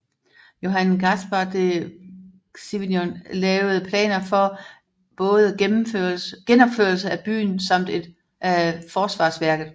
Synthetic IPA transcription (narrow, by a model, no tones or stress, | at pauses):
jo̝ɦænɡ̥æsb̥ɑd̥e | siʋinjonlɛːʊð̩ˠpʰlɛ̰ːnɐfɒ̽ | b̥ɔ̽ːð̞ˠəm̩føɡ̥enɒ̽b̥føɐlsəæb̥y̰ːnsɑ̈m̰d̥e̝d̥ | ʔfɒːsʋɑ̰̈ːsʋæɐɡ̥ð̩ˠ